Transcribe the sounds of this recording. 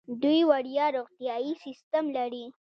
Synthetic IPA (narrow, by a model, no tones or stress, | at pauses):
d̪ujwaɽjɑɾoqt̪ijɑjisɪst̪amlaɽi